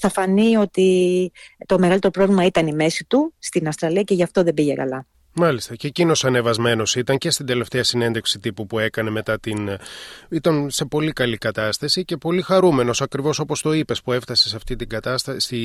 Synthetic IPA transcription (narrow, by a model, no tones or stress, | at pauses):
θɐfɐnio̞t̪i | t̪o̞meɣɐlit̪eɾo̞pɾo̞vlimɐit̪ɐnime̞sit̪ust̪inɐfst̪ɾɐliɐceʝɐft̪o̞ðe̞biʝekɐ̰lɐ | mɐlist̪ɐcecino̞sɐne̞vɐzme̞no̞sit̪ɐɲce̞st̪ind̪e̞le̞ft̪eɐsine̞nd̪e̞ksit̪ipupue̞kɐne̞me̞t̪ɐt̪in | it̪ɐnse̞po̞likɐlikɐt̪ɐst̪ɐsice̞po̞lixɐɾume̞no̞sɐkɾivo̞so̞po̞st̪o̞ipe̞spue̞ft̪ɐsesɐft̪it̪iɡɐt̪ɐst̪ɐsi